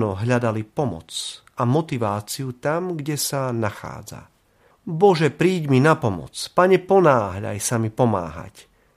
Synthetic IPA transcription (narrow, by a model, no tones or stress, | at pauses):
nɔɦʎad̪alipɔmɔ̰t͡s | amɔt̪iʋaːt͡siut̪amɡɟɛsanaxa̰ːd͡za̰ | bɔʒɛpɾiːɟminapɔmɔ̰t͡spaɲɛpɔnaːɦʎa̰jsamipɔma̰ːɦa̰c